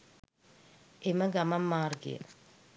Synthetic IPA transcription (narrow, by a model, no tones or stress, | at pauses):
emɐɡɐmɐmːaːrɡḭjɐ̰